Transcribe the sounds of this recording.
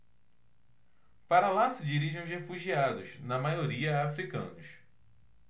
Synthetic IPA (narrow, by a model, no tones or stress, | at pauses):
paɾɐlasɪd͡ʒiɾiʒẽʊzhefuʒiad̪ʊznɐmajoɾiɐafɾikɐ̰̃nʊs